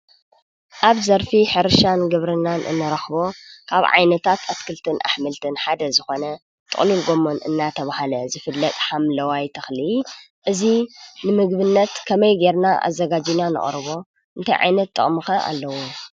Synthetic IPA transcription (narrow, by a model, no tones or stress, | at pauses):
ʔaβzɐɾfiħɨɾɨʃanɡɨβɾɨnːanʔɨ̰nːɨɾɐxbo̞kʰaβʕa̰jnɐt̪ʰat̪ʰat̪kʰɨlt̪ʰɨnʔa̰ħmɨlt̪ʰɨnħad̪ɐzɨxo̞nɐ | t̪ʼɨ̰χʼlilɡomo̞nʔɨ̰nːat̪ʰɐβahalɐzɨfɨlːɐt̪ʼħamlɐwajt̪ʰɐxli | ʔɨzinɨmɨɡbɨnːɐt̪kʰɐmɐjɡeɾnaʔa̰zɐɡad͡ʒinanɨ̰χʼɾɨβo̞ | ʔɨnt̪ʰa̰jʕa̰jnɐt̪ʼːɨ̰χʼmɨxɐʔa̰lːɐwo